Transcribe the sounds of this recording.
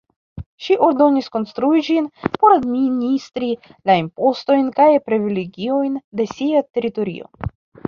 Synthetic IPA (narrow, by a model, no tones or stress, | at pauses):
ʃiʔo̞ɾd̪o̞nisko̞nst̪ɾuid͡ʒinpo̞ɾad̪minist̪ɾilaimpo̞st̪o̞jnkajpɾivileɡʲiojnd̪e̞siat̪e̞ɾit̪o̞ɾḭo̞̰